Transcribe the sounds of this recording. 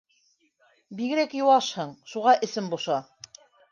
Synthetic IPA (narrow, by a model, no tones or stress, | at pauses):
biɣɘ̆ɾækjuwɑʃhɤɴʃuʁɑʔɘ̆sɘmbuʃɑ